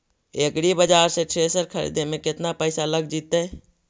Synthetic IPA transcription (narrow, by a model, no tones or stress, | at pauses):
eːkɽibəd͡ʒaːɾset͡ʃʰeːsəɾkʰəɾḭːd̪emẽkɪt̪napɛːsaləɡd͡ʒiːt̪eɦɛ